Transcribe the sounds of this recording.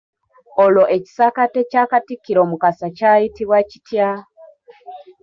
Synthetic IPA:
olo̞ʔe̞ci̥sakatecakatikːiɾo̞ːmukasacaitiβwaci̥tja

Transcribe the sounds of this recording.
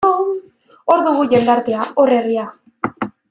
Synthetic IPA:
o̞ɾðuɣuʝe̞nd̪aɾt̪eao̞re̞ria

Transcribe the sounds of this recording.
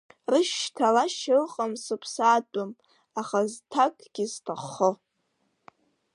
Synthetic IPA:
rɨʃtʰalaʃɪlqʼamsɨpʰsaːtʼʊm | aχaztʰakʼɡ̥ʲiztʰaχo

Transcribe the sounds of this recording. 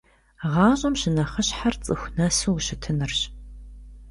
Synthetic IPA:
ʁɑːɕʼɐmɕɪnɐχɐɕħart͡sʼɨxʷnɐsuwɕɪtʰɨnɨrɕ

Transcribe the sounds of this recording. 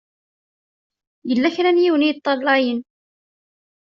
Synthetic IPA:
jəlːæçɾænjiwnijt̪ˤːɑlːɑjən

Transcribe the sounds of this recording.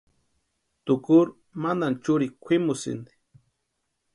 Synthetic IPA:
t̪ʊkʊɾ | mand̪ant͡ʃʊɾikʷʰimʊsḭnd̪i̥

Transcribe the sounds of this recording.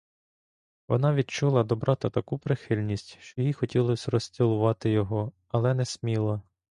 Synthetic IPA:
ʋɔ̰nɑʋʲid̪̚t͡ʃulˠɐd̪ɔbɾʔɑt̪ɐt̪ɐkupɾɪxɪlʲnʲisʲtʲʃt͡ʃɔjixɔtʲilˠɔsʲrɔsʲtʲilˠʊʋɑt̪ɪjɔɦɔ | ɐlˠɛnɛsʲmʲilˠɐ

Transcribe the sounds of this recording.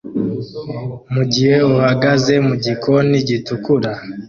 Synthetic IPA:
muɟihe̞uhaɡaze̞muɟikʰo̞niɟitukuɾa

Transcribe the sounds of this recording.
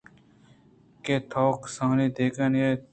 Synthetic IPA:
keːt̪ʰoːksə̃ŋniːd̪eːkənjeː

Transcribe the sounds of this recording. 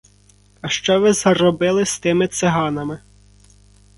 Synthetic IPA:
ɐʃt͡ʃɔʋɪzrɔbɪlˠɪst̪ɪmɪt̪sɪɦɑnɐmɪ

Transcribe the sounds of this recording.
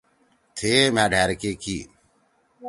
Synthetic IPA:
t̪ʰeːmãːɖʱɛːɾkeːkiː

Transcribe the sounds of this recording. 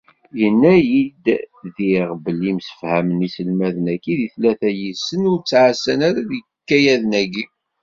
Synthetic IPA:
jənːæjid̪ðiʁbəlimsə̥fhæmənisəlmæðənækːiðiθlæθæjisənʊɾt͡sːʕasːænæɾæðə | kːæjæðənæɡi

